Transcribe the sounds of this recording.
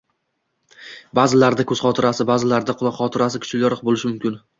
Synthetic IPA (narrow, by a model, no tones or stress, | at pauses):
baːzɪlaɾd̪akʰɵzχɒt̪ʰɪɾasɪbaːzɪlaɾd̪aqʰʊlˠɒqχɒt̪ʰɪɾas̬ɪkʰʊ̥t͡ʃʰɪljɒɾqbolɪʃɪmʊmkʲɪn